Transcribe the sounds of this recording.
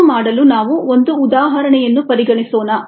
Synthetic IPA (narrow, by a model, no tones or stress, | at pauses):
maːɽɐlunaːʋuond̪uːd̪aːɦɐɾɐɳɛjɐnːupɐɾiɡɐɳisoːnɐ